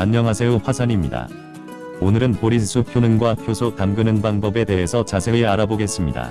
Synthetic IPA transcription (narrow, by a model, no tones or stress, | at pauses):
aɲɲʌŋɦasʰeoɸwasʰaɲimɲida̰ | onɯɾɯnpoɾisʰupʰjonɯnɡwapʰjosʰokamɡɯnɯnbaŋbʌbe̞te̞ɦe̞sʰʌt͡ɕasʰe̞ɡɯaɾaboɡe̞s͈ɯmɲida̰